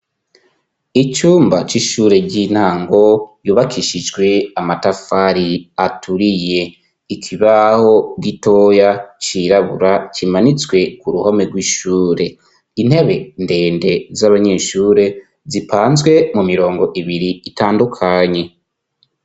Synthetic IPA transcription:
it͡ʃuːmbat͡ʃiʃuːɾe̞ɟiːn̥haːŋɡo̞juːβakʰiʃid͡ʒɡwe̞amatafaɾiatʰuɾije̞ | ikʰiβaho̞ɡito̞jat͡ʃiɾaβṵɾat͡ʃimanit͡swe̞kuɾuhomeɡwiʃuːɾe̞ | in̥he̞βe̞nde̞ːnde̞zaβaɲe̞ʃuːɾe̞ | zipʰaːnzɡwe̞mumiɾo̞ːŋɡo̞ʔiβiɾiːtaːndukʰaɲe̞

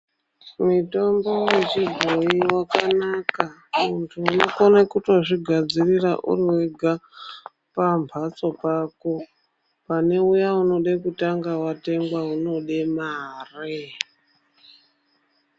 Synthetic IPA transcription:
mito̞mbo̞je̞t͡ʃibʱo̞iwakanakamuntʰuunoko̞nekuto̞ʐiɡʱad͡zirira̰ʔṵriweɡʱa | pampat͡so̞pako̞ | pane̞ujauno̞ɗekutaŋɡawate̞ŋɡwauno̞ɗemaːre

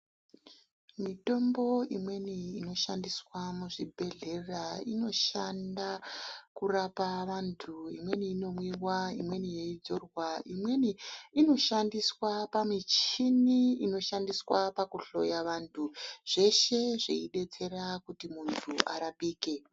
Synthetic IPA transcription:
mito̞mbo̞imwe̞niːno̞ʃandiswamuʐibʱe̞ɮe̞raḭno̞ʃandakurapaʋantʰuimwe̞niːno̞mwiwaimwe̞nijeid͡zo̞rwaʔimwe̞niːno̞ʃandiswapamit͡ʃiniino̞ʃandiswapakuɬo̞̰jaʋantʰuʐ̥e̞ʃe̞ʐeiɗe̞t͡se̞rakutimuntʰuʔaɾaɓiːke̞

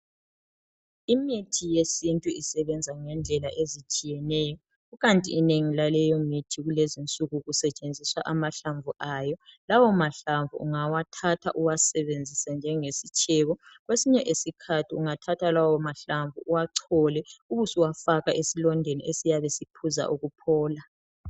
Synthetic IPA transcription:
imitʰijesintʼuisɛβɛnd͡zʱaŋɛnd͡ɮʱɛlaʔezit͡ʃʼijɛnɛːjɔ | ɣuɣantʼḭːneŋilalɛjɔmitʰiɣulezint͡sʼuɣuɣusɛt͡ʃʼend͡zʱiswaʔamaɬaɱvuʔaːjɔlawɔmaɬaɱvṵṵŋawatʰatʰa̰ʔuwasɛβend͡zʱisand͡ʒʱɛŋesit͡ʃʼʰɛβɔɣwesiɲɛʔesikʰatʰiuŋatʰatʰalawɔmaɬaɱvuʔuwaǀʰɔlɛuβusiwafaɣaʔesilɔndʱenḭʔesijaβɛsipʰuza̰ʔuɣupʰɔːla

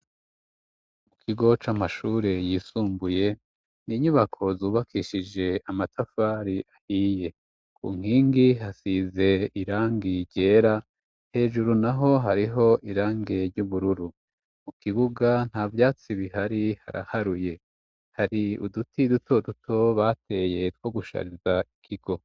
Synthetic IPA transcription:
mukʰiɡo̞t͡ʃamaʃuːɾe̞jiːsuːmbuje̞ | niɲuβakʰo̞zuːβakʰiʃid͡ʒe̞amatʰafaːɾiʔahiːje̞ | kʰṵːŋ̥hiːŋɡiɦasize̞iɾaːŋɡiɾɟe̞ːɾa | he̞ːʒuɾunaɦo̞ɦaɾiɦo̞ʔiɾaːŋɡeɾɟuβuɾuɾu | mukiβuɡan̥haːvjaːt͡siβiɦaɾiha̰ɾa̰haɾuje̞ | haɾiudutʰidutʰo̞dutʰo̞βate̞je̞t̚wo̞ɡuʃa̰ɾizaikʰiɡ̥o̞

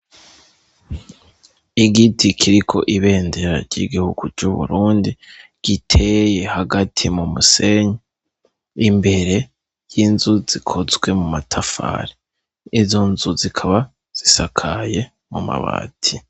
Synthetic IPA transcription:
iɡitʰikʰiɾikʰo̞̰ʔiβe̞ːnde̞ɾa̰ɾɟḭɡihuɡ̥ut͡ʃuβṵɾuːndiɡ̥itʰe̞je̞haɡatʰimumuse̞ɲa | imbe̞ɾe̞ | jinzuzikʰo̞zɡwe̞mumatʰafa̰ːɾi | izo̞nzuzikʰaβa | z̥isakʰaje̞ | muma̰βa̰ːtʰi

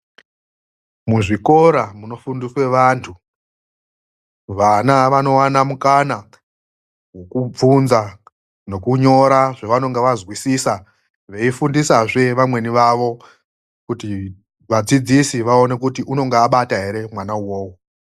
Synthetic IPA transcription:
muʐiko̞ɾamuno̞fundiswe̞ʋantʰu | ʋanaʋano̞wanamukana | wo̞kub͡vunza | no̞kuɲo̞ɾaʐeʋano̞ŋɡeʋazwisisa | ʋe̞ifundisaʐe̞ʋamwe̞niʋaʋo̞ | kuti | ʋad͡zid͡zisiʋao̞ne̞kutiʔuno̞ŋɡeːɓataɦe̞ɾe̞mwanauwoːwo

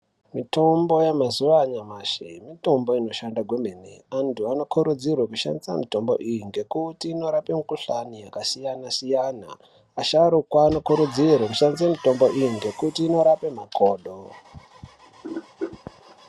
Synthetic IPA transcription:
mito̞mbo̞jamazuʋaɲamaʃimito̞mbo̞ino̞ʃandaɡʱwemeneantuano̞kʰuɾud͡zirwakuʃa̰ndisa̰mito̞mbo̞̰ʔijiŋɡe̞kutiːno̞ɾapemukuɬanijakasijanasijana̰ː | ʃaɾukwaːno̞kuɾud͡zirwakuʃandisamito̞mbo̞ʔijiŋɡe̞kutiːno̞ɾapemakʰoːɗo

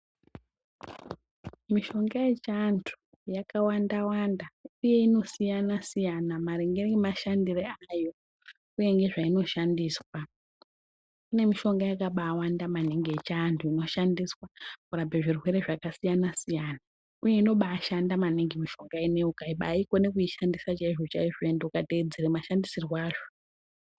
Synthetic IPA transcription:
miʃo̞ŋɡajet͡ʃantʰu̥ | jakawandawandauje̞ino̞sijanasijanamaɾeŋɡermaʃandireajo̞ | uje̞ŋɡe̞ʐaino̞ʃandiːswa | kune̞miʃo̞ŋɡajakaɓaːwandamaneŋɡeːt͡ʃantʰuino̞ʃandiswakurabʱeʐirwe̞ɾe̞ʐakasijanasijana | uje̞ino̞ɓaːʃandamaneŋɡemiʃo̞ŋɡaineukaiɓa̰ikonekuiʃandisat͡ʃaiʐot͡ʃa̰iʐoendeukated͡zeɾemaʃandisiriwaːʐo̥

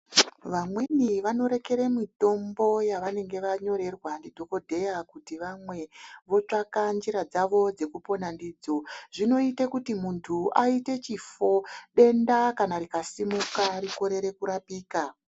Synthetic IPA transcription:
ʋamweniʋano̞ɾe̞ke̞ɾemito̞mbo̞jaʋane̞ŋɡe̞ʋaɲo̞ɾe̞rwandidʱo̞ko̞dʱe̞jakutiʋamwe̞ʋo̞t͡ʂakand͡ʒiɾad͡zaʋo̞d͡ze̞kupo̞nandiːd͡zo̞ʐino̞itekutimuntʰuaite̞t͡ʃifo̞ɗe̞ndakanaɾikasimukariko̞ɾe̞ɾe̞kuɾapiːka

